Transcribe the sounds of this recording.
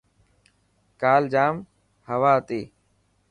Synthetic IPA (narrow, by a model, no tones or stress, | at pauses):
kaːld͡ʒaːm | həʋaːət̪eː